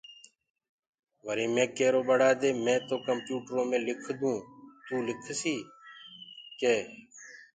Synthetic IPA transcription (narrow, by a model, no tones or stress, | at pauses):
ʋəɾiːmẽːkeːɾoːbəɽaːd̪eːmɛ̃ːt̪oːkəmpjuːʈɾõːmẽːlɪkʰd̪ũːt̪uːlɪkʰsiː | keː